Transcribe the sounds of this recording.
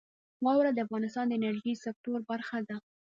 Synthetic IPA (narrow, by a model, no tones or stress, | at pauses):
wɑwɾad̪əafɣɑnɪst̪ɑnd̪əɪnaɾʒisak̚t̪oɾbaɾxad̪a